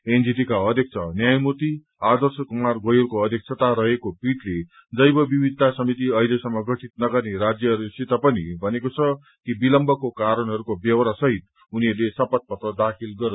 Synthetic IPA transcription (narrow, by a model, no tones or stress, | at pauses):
end͡zid̪ikaʌd̪ʱjʌk̚t͡sʰʌnjajmot̪i | ad̪ʌrsʌkumarɡojorkoʌd̪ʱjʌk̚sʰʌt̪aɾʌɦekopiʈle | d͡zʌjbʌbibʱid̪t̪ːasʌmit̪iʌilesʌmːʌɡʌʈʰit̪̚nʌɡʌrneɾad͡zjʌɦʌɾusit̪ʌpʌnibʱʌnekot͡sʰʌ | kibilʌmbʱʌkokaɾʌnɦʌɾukobjʌwɾasʌɦit̪̚ | uniʌrlesʌpʌt̪̚pʌt̪rʌd̪akʰilɡʌɾ